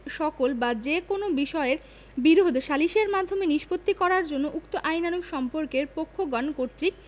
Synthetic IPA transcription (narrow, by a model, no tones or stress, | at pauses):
ʃɔkolbad͡ʑekonobiʃɔeɾ | biɾod̪ʱʃaliʃeɾmad̪ʱːomeniʃpot̪ːikɔɾaɾd͡ʑonːoʔukt̪oʔajnanoɡʃɔmpoɾkeɾpokʰːoɡɔnkoɾt̪ɾik̚